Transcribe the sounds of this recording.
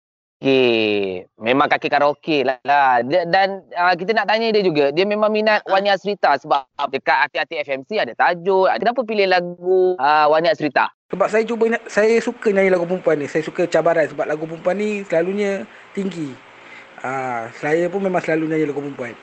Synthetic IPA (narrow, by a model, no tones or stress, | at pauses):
oke | mẽmãŋkakekaɾaŋokelaladədanək̬it̪ənaʔt̪aɲədiəd͡ʒuɡadiəmemãŋminat̪̚waniaʔsəɾit̪asəbap̚dəkaʔ̪at̪iat̪iɛfɛmsiadat̪ad͡ʒʊa̰kənap̬əp̬ilɪhlaɡuəwaniaʔsəɾit̪a̰səbap̚sajət͡ʃubəɲasajəsukəɲãɲəlaɡup̬umpuanːisajəsukət͡ʃabaɾansəbap̚laɡup̬umpuanːisəlaluɲə | t̪iŋɡi | əsəlajəpʊnmemãŋsəlaluɲãɲəlaɡupumpuan